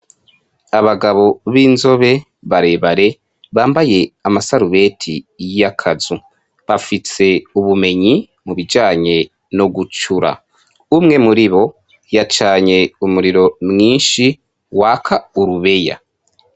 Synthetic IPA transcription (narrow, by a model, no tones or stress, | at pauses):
aβaɡaβo̞βiːnzo̞βe̞ | βaɾe̞βaɾe̞ | βaːmbaje̞amasaɾuβe̞tʰijjakʰazu | βafise̞uβume̞ɲi | muβid͡ʒaːɲe̞ | no̞ɡut͡ʃuɾa̰ | umŋe̞muɾiβo̞ | jat͡ʃaːɲe̞umuɾiɾo̞mŋiːnʃi | wakʰauɾuβe̞ja̰